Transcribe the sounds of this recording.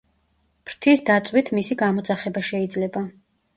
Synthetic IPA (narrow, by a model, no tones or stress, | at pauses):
pɾt̪ʰisd̪at̪sʼwit̪ʰmisiɡamɔt̪saχɛbaʃɛid̪zlɛba